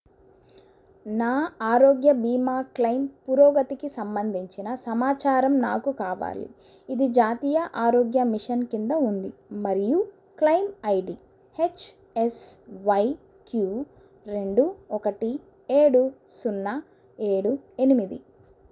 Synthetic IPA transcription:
naːaːɾoːɡjɐbiːmaːklɐjmpuɾoːɡɐt̪ikisɐmbɐnd̪ʱiɲt͡ʃinɐsɐmaːt͡ʃaːɾɐmnaːkukaːʋa̰ːlḭ | id̪id͡ʒaːt̪iːjɐʔaːɾoːɡjɐmiʂɐnkind̪ɐund̪imɐɾiju | klɐjmɐjɖi | het͡ʃ | esʋɐj | kjuː | ɾe̞ɳɖuɔkɐʈi | e̞ːɽusunːa | e̞ːɽue̞nimid̪ḭ

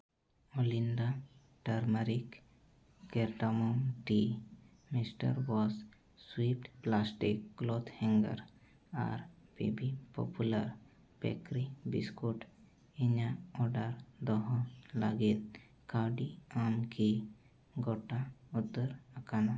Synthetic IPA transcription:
olinɖa | ʈaɾməɾik | keɾʈamɔmʈi | misʈə̰ɾwɔz | swip̚ʈplasʈikːlod̪hɛ̃ŋɡə̰ɾ | a̰ɾb̥ḛbipɔ̰puləɾ | bɛ̰kɾibḭskuʈ | iɲaɔɾɖəɾd̪ɔɦɔ̃mla̰ɡit̪ | kawɖiamkʰi | ɡoʈaut̪ːəɾəkana

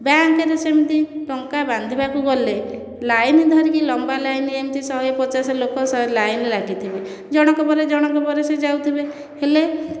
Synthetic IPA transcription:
baŋkeɾesemt̪iʈɔŋkaband̪ʱibakuɡɔle | lajnid̪ʱɔɾikilɔmbalajnemt̪isɔɦepɔt͡ʃasɔlokɔsɔɦelajnlaɡit̪ʰibe | d͡ʒɔɽ̃ɔkɔbɔɾed͡ʒɔɽ̃ɔkɔbɔɾesed͡ʒawt̪ʰibe | hele

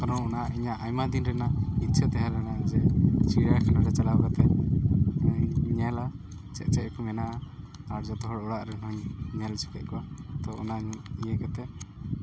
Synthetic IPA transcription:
kɔɾɔnɔnaʔiɲaʔajmad̪inɾɛnainsʰɛt̪ɛɦaɾɛnad͡ʒɛsiɾaɾkʰanaɾɛt͡ʃalawkat̪ɛ | ɲɛla | t͡ʃɛ̰ʔ̚t͡ʃɛʔkɔmɛnaʔa | aɽd͡ʒɔt̪ɔɦɔɽɔɽaʔɾɛnɔɲɲɛlt͡ʃʰu̥kɛʔ̪̚kɔwat̪ɔɔnaijɛkɛt̪ɛʔ

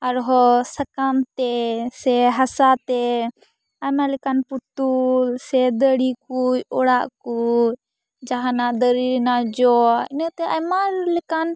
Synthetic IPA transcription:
ɐɾɦɔsəkamt̪ɛsɛɦɐsat̪ɛ | ajmalɪkanput̪ulsɛd̪əɽikujɔɽaʔku | d͡ʒaɦãnad̪əɾiɾnad͡ʒɔɪnət̪ɛʔajmalɪkan

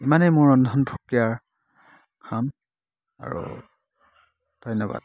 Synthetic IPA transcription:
imanejmʊɹɔndʱɔnbʰʱukijaɹ | kʰan | a̰ɹṵ | d̥ʱɔjnɔba̰d̥̚

